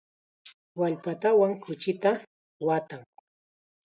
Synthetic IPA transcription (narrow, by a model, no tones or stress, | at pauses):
waʎpat̪awaŋkʊt͡ʃɪt̪a | wat̪aŋ